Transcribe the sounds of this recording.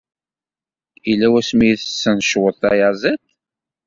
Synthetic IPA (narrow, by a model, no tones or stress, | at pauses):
ilːæwæsmijθə̥sːənʃwəðθɑ̰jazæt̪